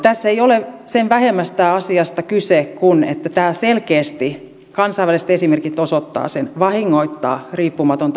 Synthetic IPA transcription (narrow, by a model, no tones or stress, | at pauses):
t̪æsːeiolesenʋæhemːæst̪æːɑsiɑst̪ɑkysekunḛt̪ːæt̪æːselkeːst̪i | kɑnsɑiʋælisĕ̥t̪esimerkit̪osot̪ːɑ̰ːsenʋɑhiŋːoit̪ːɑ̰ːriːpːumɑt̪ont̪